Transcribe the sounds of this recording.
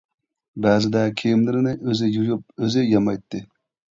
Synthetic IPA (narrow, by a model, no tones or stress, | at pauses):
bæːzɪd̪ɛkʲʰejɪmlɪɾɪnɪʔøzɪjujup̚øzɪjɑmɑjt̪ːɨ